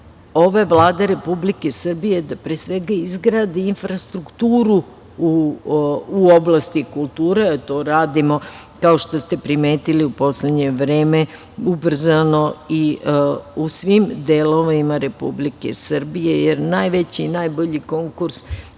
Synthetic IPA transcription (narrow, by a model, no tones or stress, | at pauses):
o̞ʋaʋlˠaːd̪aɾe̞publike̞sr̩bijed̪apɾeːsʋeɡaizɡɾad̪iinfɾast̪ɾukt̪uːɾu | u | uoblˠast̪ikulˠt̪uːɾeat̪o̞ːɾaːd̪imo̞ | kao̞ʃt̪o̞st̪e̞pɾimeːt̪iliupo̞sled̪ɲe̞ʋɾeːme | ubr̩zano̞i | usʋimd̪eloʋaimaɾe̞pṵblike̞̰srbije̞jeɾnajʋet͡ɕinajboʎiko̞ŋkuɾs